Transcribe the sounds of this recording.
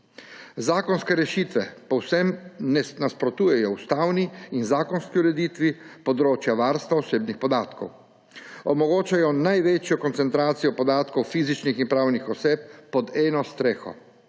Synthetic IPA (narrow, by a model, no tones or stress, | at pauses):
zaːkɔnskɛɾɛʃiːt̪ʋɛpɔwsɛmnɛnaspɾɔt̪uːjɛjɔust̪awniːnzaːkɔnskiuɾɛd̪iːt̪ʋipɔd̪ɾoːt͡ʃjaʋaɾst̪ʋaɔseːbnixpɔd̪aːt̪kɔ̰w | ɔmɔɡoːt͡ʃajɔnajʋeːt͡ʃjɔkɔnt̪sɛnt̪ɾaːt̪sijɔpɔd̪aːt̪kɔwfiːzit͡ʃniximpɾawnixɔseːp̚ːɔd̪ɛːnɔst̪ɾeːxɔ̰